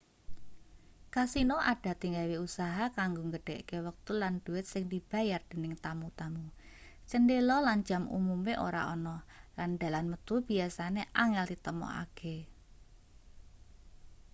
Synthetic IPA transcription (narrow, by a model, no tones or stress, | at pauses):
kasinoʔaɖ̥a̤t̪iŋɡawiusaɦakaŋɡoŋɡəɖ̥ɛ̤ʔkewək̚t̪ulanɖ̪̥uwɪt̪̚sɪŋd̪̥ib̥a̤jard̪̥e̤nɪŋt̪amut̪amut͡ʃəndelɔland͡ʒ̥a̤mṵmumeʔo̰ɾa̰ʔɔnɔland̥a̤lanmət̪ub̥iasaneʔaŋɛlt̪it̪əmɔ̰a̰ɡ̥ʰe